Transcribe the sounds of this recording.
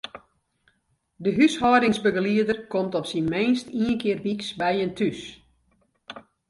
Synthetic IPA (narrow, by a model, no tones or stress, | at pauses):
dəɦyshɔːdɪŋsbəɡəliədərkɔmtɔpsinmeːnstiənkɪːərʋiksbɛjəntʰys